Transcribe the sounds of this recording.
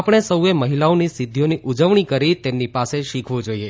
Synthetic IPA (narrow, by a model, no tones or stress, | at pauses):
apɽ̃esəueməɦilaonisid̪ʱːjoniʔud͡ʒəʋɳ̃ikəɾit̪emnipaseʃikʰʋũd͡ʒoie